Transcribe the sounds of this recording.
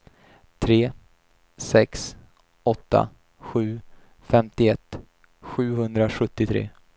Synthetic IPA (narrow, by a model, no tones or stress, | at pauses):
t̪ʰɾeː | sɛks | ɔt̪ːa̰ | ɧʉ̟ː | fɛmt̪ɪɛt̪ː | ɧʉ̟ːɦɵnd̪ɾaɧɵt̪ːɪt̪ʰɾḛː